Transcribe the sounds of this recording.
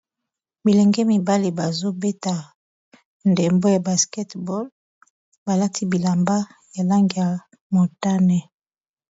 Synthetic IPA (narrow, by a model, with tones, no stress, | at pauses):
bi˨lɛ˨ŋɡɛ˦mi˨ba˦li˨ba˨zo˦be˦ta˨ | nde˨mbo˦ja˨ba˨skɛ˦tbɔ˦l | ba˨la˦tʰi˦bi˨la˨mba˦ | ja˨la˦ŋɡi˨ja˨ | mo˨ta˦nɛ˨